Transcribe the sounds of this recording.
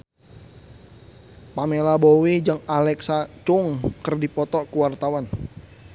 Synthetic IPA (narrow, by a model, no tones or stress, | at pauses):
pamelabowid͡ʒəŋalɛksat͡ʃʊŋkərdipɔt̪ɔkuwart̪awan